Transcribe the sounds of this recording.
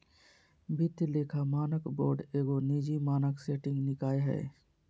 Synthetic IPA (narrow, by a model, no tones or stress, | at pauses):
bʱɪt̪ːleːkʰamaːnəkboːɖeːɡoniːd͡ʒimaːnəkseːʈɪ̃ŋɡnɪkaːeɦɛ̰ː